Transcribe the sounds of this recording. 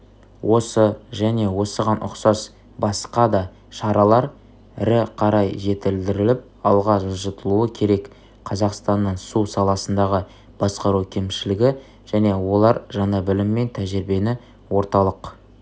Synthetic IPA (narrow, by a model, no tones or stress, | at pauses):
wʔo̞səʒæne̞wo̞səʁɑnʔʊ̰qsɑs | bɑsqɑd̪ɑ | ʃɑɾɑlˠɑɾ | ɪɾɪqʰɑɾɑjʒe̞t̪ɪld̪ɪɾɪlɪp̚ | ɑlˠʁɑʒəʒət̪əlˠuəkʲʰe̞ɾe̞k | qʰɑzɑqst̪ɑnːəɴsusɑlˠɑsənd̪ɑʁə | b̥ɑsqɑɾukʲʰe̞mʃɪlɪɡʲɪ | ʒ̥æne̞wo̞lˠɑɾʒɑnɑbɪlɪmːe̞nt̪ʰæʒɪɾbe̞nɪ | wo̞ɾt̪ɑlˠəq